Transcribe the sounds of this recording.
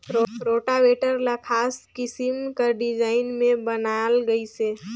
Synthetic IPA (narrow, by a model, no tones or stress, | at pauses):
ɾoʈaʋeʈəɾlakʰaskɪsimkəɾɖid͡ʒaːɪnmẽbənalɡəise